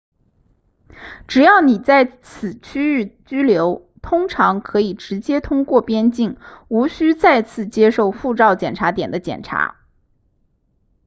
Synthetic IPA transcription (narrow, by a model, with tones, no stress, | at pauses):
ʈ͡ʂɻ̩˨˩jɑ˥˩ʊni˨˩t͡sa˥˩ɪt͡sʰɹ̩˨˩t͡ɕʰy˥y˥˩t͡ɕy˥ljo˧˥ʊ | t̪ʰʊ˥ŋʈ͡ʂʰɑ˧˥ŋkʰɤ˧˥i˨˩ʈ͡ʂɻ̩˧˥t͡ɕjɛ˥t̪ʰʊ˥ŋkwɔ˥˩pjɛ˥nt͡ɕi˥˩ŋu˧˥ɕy˥t͡sa˥˧ɪt͡sʰɹ̩˥˩t͡ɕjɛ˥ʂo˥˧ʊfu˥˧ʈ͡ʂɑ˥˩ʊt͡ɕjɛ˨˩nʈ͡ʂʰa˧˥t̪jɛ˨˩nd̪ə˦t͡ɕjɛ̰˨˩nʈ͡ʂʰa̰˧˥